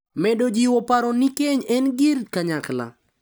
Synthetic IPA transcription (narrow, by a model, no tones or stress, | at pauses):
mɛdod͡ʒiwɔpaɾɔnikeɲɛnɡɪɾkaɲakla̰